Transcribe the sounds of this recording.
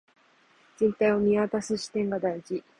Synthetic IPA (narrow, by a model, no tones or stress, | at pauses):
d͡zẽ̞nt̪aio̞mʲiβat̪asɨɕi̥t̪ẽ̞ŋɡad̪aiʑi